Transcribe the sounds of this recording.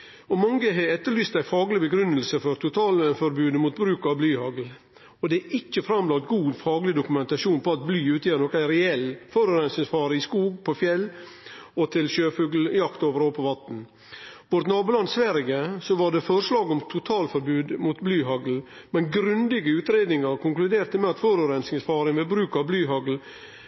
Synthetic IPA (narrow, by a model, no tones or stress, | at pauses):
ɔmɑŋːəɦɛɛt̪ːəɭyːst̪æɪfɑːɡlɪbəɡɾʉnːəlsəfɔɾt̪ʰʊt̪ʰɑːləfɔɾbʉːd̪muːt̪̚bɾʉːkɑʋblyːhɑɡl̩ | ɔd̪ɛæɪcːəfɾɑmlɑnt̪ɡuːd̪fɑːɡlɪd̪ʊkʉmɛnt̪ɑʂuːnpʰɔɑt̪̚blyːʉːt̪ʰəjɛːɾnɔːkæɪɾɛɛlːfɔɾʉɾɛnsɪfɑːɾəɪskuːɡ̚pʰɔfjɛlː | ɔt̪ʰɪlʃøːfʉːɡl̩jɑkt̪oːʋəɾɔːpʰɔʋɑt̪n̩ | ʋɔɾt̪nɑːbuːlɑnsʋæɾɡəsɔʋɑɖɛfɔɾʂlɑːɡɔmt̪ʰʊt̪ʰɑːlfɔɾbʉːd̪mut̪blyːɦɑɡl̩ | mɛnɡɾʉnd̪ɪɡəʉːt̪ɾeːd̪nɪŋɑɾkʊŋklʉd̪eːɾt̪əmɛɑt̪fɔɾʉɾɛnsɪŋsfɑːɾəɪʋɛbɾʉːkɑʋblyːɦɑɡl̩